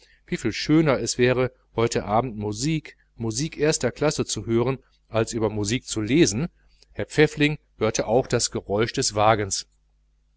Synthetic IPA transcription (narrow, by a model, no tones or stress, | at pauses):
v̥iːfiːlʃøːnɐɛsv̥ɛːʁə | hɔʏtʰəʔaːbm̩tmuziːk | muziːkʔeːɐstɐkʰl̥asət͡suhøːʁən | ʔalsʔyːbɐmuziːk̚t͡suleːzn̩ | hɛɐp͡fɛflɪŋhøːɐtʰəʔaʊxd̥asɡ̥əʁɔʏʃd̥ɛsv̥aːɡəns